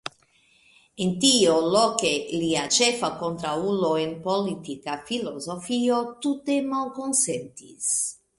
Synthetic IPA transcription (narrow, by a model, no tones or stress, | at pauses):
ent̪iolokeliat͡ʃefakont̪ɾauloenpolit̪ikafilozofiot̪ut̪emalkonsent̪ḭs